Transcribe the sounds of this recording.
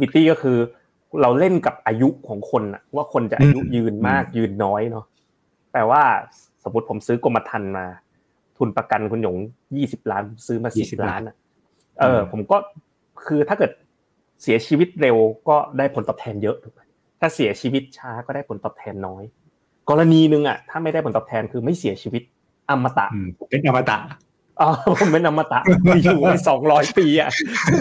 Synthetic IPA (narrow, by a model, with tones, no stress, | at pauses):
wi˧t̪iː˥˩kɔ˥˩kʰɯː˧ | ɾa˧wle˥˩nka˨˩p̚ʔaː˧ju˦˥ʔkʰɔː˩˦ŋkʰo˧nʔa̰˨˩ʔʰwaː˥˩kʰo˧nt͡ɕa˨˩ʔʔa˧˥˧ju˦˥jɯː˧nmaː˥˩k̚jɯː˧nːɔː˦˥jnɔ˦˥ | t̪ɛː˨˩waː˥˩ | so˩˦mːu˦˥t̪̚pʰo˩˦msɯː˦˥ko˧mːa˧t̪ʰa˧nmaː˧ | t̪ʰu˧npɾa˧ka˧nkʰu˧njo˨˩˦ŋ | jiː˥˩si˨˩p̚laː˦˥npʰo˩˦sɯː˦˥maː˧siː˨˩si˨˩llaː˦˥nʔa˨˩ʔ | ʔɤː˧pʰo˩˦mkɔː˥˩ | kʰɯː˧t̪ʰaː˥˩kɤː˨˩t̪̚ | si˨˩˦ɐt͡ɕʰiː˧wi˦˥t̪̚ɾe˧wkɔː˥˩daː˥˩jpʰo˩˦nt̪ɔː˨˩t̪ʰɛː˧njɤ˦˥ʔd̪u˨˩a˧˩j | t̪ʰaː˥˩si˨˩˦ɐt͡ɕʰiː˧wi˦˥t̪̚t͡ɕʰaː˦˥kɔː˥˩daː˥˩jpʰo˩˦nt̪ɔː˨˩p̚t̪ʰɛː˧nːɔː˦˥j | kɔː˧ɾa˧niː˧nɯ˧ŋʔa̰˨˩t̪ʰaː˥˩ma˥˩jda˥˩pʰnt̪ɔː˨˩pt̪ʰɛː˧nkʰɯː˧ma˥˩jsi˨˩˦ɐt͡ɕʰiː˧wi˦˥t̪̚ | ʔa˧mːa˧t̪a̰˨˩ʔpʰo˩˦mːpe˧˦nʔa˧mːa˧t̪a̰˨˩ʔ | ʔɔː˧˩pʰo˨˩˦mːe˧˥nʔa˧mːa˧t̪a̰˨˩ʔi˧˩uː˨˩a˧˩sɔː˩˦ŋɾɔː˦˥jpiː˧ʔa˨˩